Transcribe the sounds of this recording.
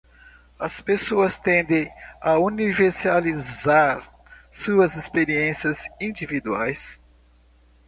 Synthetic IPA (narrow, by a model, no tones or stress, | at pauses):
ɐspesoɐst̪ẽnd̪ẽauniveɾsalizaɾ | suɐzispeɾiẽsiɐzĩd͡ʒivid̪uajs